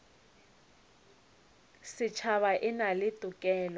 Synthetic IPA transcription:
sɪt͡ʃʰaβaʔɪnalɪtʼʊkʼɛːlɔ

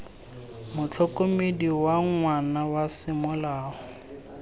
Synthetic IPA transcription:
mʊt͡ɬʰɔkʼomediwaŋwanawasɪmʊlaːhɔ

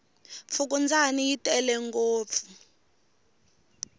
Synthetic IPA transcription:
p̪fʰuk̬ʼund͡zʱanijitʼɛlɛŋɡoːp̪fu

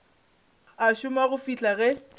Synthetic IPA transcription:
aʃʊmaɣʊfit͡ɬʼaɣɛ

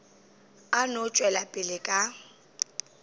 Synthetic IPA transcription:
anʊt͡ʃʼwɛlapʼɪlɪkʼa

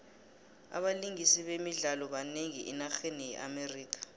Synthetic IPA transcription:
a̰ɓaliŋisiɓemiɮalɔɓaneŋiʔinaxenijɛʔa̰meriːkʰḁ

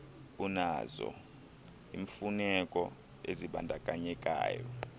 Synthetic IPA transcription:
unazɔ̰ | iːɱfunɛkʼɔ | eziɓandʱakʼaɲɛkʼa̰ːjɔ

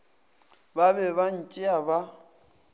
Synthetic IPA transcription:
babɛβan̩t͡ʃʼɪaba

